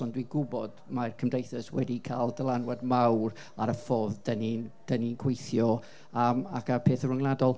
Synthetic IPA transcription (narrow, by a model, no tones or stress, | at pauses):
ɔndwiɡʊbɔd̥markʰəmdejθəswɛdikʰa̰ːlˠdəlˠanwadmawr | aɾəfoːðd̥ənind̥əninɡʰwejθjɔ | amakʰapʰeːθərʊŋlˠadɔlˠ